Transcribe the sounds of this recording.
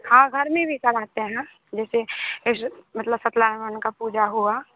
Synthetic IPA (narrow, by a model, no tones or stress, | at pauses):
hãːɡʱɐɾmẽbʱisɐɾaːt̪eɦɛ̃ | d͡ʒɛːseɪʃmɐt̪ləbsət̪laːnʋənkapuːd͡ʒaɦua